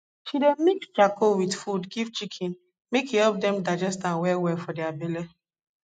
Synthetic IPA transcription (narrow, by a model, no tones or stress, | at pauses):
ʃidemikstɹakʰowidfudɡivt͡ʃikʰĩn | mekihɛp̚dɛ̃mdad͡ʒɛstãnwɛwɛfɔdɛabele